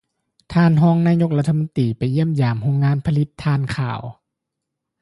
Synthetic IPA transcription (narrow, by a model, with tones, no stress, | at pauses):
t̪ʰaː˧˥˨nɦɔː˧˥˨ŋnaː˧˥ɲo˧˥k̚la˧˥t̪ʰːa˧mo˧nt̪iː˨˩pa˨˩jːi˧˥˩əmjaː˨˩mho˧˥˨ŋːaː˧˥˨npʰa˧li˧˦t̪ʰːaː˧˩˨nkʰa̰ː˨˩w